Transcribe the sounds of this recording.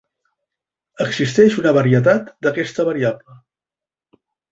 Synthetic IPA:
əɡzist̪ɛʃunəβəɾiət̪̬at̪d̪əkɛst̪əβəɾiablə

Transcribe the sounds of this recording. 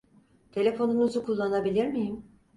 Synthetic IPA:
t̪ʰe̞lʲe̞fo̞nunuzukʰulˠːanabilʲiɾmijim

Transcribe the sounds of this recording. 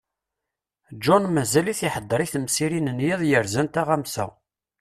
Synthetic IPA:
d͡ʒɔnmæzæliθiħəd̪ˤːəɾˤiθəmsiɾinənjiðˤjəɾzænt̪aʁæmsæ̰

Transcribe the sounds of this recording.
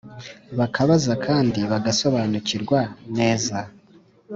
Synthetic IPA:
βakaβazakʰaːndiβaɡaso̞βanuciɾɡwane̞ːza

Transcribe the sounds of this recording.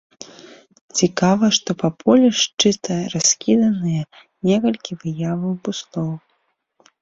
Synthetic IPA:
t͡sʲikavɐʂt̪ɔpɐpʰɔlʲɛʂt͡ʂɨt̪ɐɾasʲkʲid̪ɐnɨjɛ | nʲɛkɐlʲkʲivɨjavɐwpuslˠɔw

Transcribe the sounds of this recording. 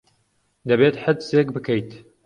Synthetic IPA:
d̪ɐbet̪ħəd̪seːk̚bɨkəjt̪

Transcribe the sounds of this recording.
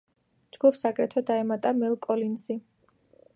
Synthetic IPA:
d͡ʒɡ̥upsakʼɾɛt̪ʰɔd̪aɛmat̪ʼamɛlˠkʼɔlinsi

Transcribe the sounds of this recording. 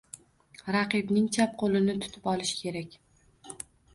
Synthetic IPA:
ɾɑqɨbnɪŋt͡ʃʰap̚qʰolˠɪnɪt̪ʰʊ̥t̪ʰɪpɒlˠɪʃkʲʰe̞ɾakʲ

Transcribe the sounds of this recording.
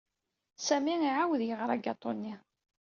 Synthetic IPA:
sæmiiʕawðjəʁɾˤɑɡɑt̪ˤːonːi

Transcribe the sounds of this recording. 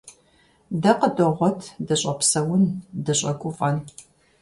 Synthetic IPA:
dɐqədɨʁʷɔtʰdɐɕʼɐpsɐwʊndɨɕʼɐkʷʼʊfʼɐn

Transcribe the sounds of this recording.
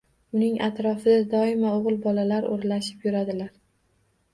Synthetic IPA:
ʊnɪŋʔat̪ɾɒfɪd̪ad̪ɒɪmaoʁlˠbɒlalaɾo̰ɾlaʃɪ̥pjʊɾad̪ɪlaɾ

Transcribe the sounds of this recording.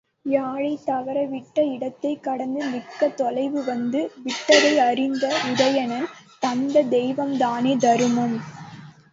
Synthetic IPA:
jaːɻɐɪt̪ːɐʋɐɾɐʋɪʈːɐɪɽɐt̪ːɐɪkːɐɽɐnd̪ɯmɪkːɐt̪ɔlɐɪʋɯʋɐnd̪ɯʋɪʈːɐɾɐɪɐɾɪnd̪ɐʊðɐjɐnɐnt̪ɐnd̪ɐd̪ɛjʋɐmd̪aːneːd̪ɐɾɯmɯm

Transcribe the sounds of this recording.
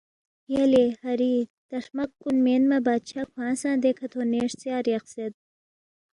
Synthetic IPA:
jɐlehɐɾiːt̪ɐʂmɐkːunmeːnmɐbaːd̪̚t͡ʃʰakʰwãːsãːd̪ekʰɐt̪ʰoːneːʂt͡sjaːɾjɐqsed̪̚

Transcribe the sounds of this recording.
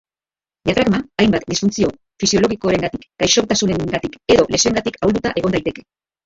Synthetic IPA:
ʎat̪ɾaɣmaːjmbat̪d̪isfunt͡sio̞ | fisio̞lo̞ɣ̞ikoɾe̞ŋɡat̪ikɡ̥ajʃo̞kt̪asune̞ŋŋɡat̪ike̞ðo̞le̞seeŋɡat̪ikʰawld̪ut̪aʔe̞ɣo̞nd̪ajt̪e̞ke̞̥

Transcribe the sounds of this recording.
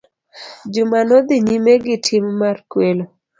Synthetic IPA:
d͡ʒʊmanɔd̪ɪɲimeɡɪtʰɪmːarkwelo

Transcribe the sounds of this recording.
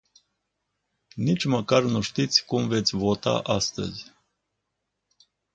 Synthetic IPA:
nit͡ʃməkaɾnuʃt̪it̪sʲkumvet̪sʲvot̪a̰ʔast̪ə̰zʲ

